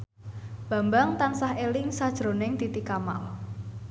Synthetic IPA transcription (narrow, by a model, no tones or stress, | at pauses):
b̥a̤mbaŋt̪ansahelɪŋsad̥ʒ̥ɾo̤nɪŋd̪̥it̪ikama̰l